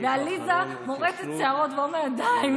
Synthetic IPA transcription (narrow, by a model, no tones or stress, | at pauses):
vealiza | moʁeset̪̚t͡seaʁot̪bomead̪aim